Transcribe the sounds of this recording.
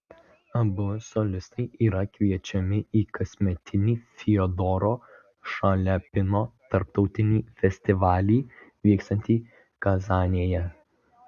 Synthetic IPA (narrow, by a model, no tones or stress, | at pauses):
ɐbʊsɔlʲɪst̪ɐɪʔiːɾɐkʋʲiɛt͡ʃʲɛmʲɪiːkɐsʲmʲɛt̪ʲɪnʲiːfʲɪɔd̪ɔɾoː | ʃɑlʲɛpʲɪnoːt̪ɐɾpt̪ɒʊt̪ʲɪnʲiːfʲɛsʲt̪ʲɪʋɑːlʲiːʋʲiːkst̪ɐ̃nʲt̪ʲiː | kɐzɑːnʲiːjɛ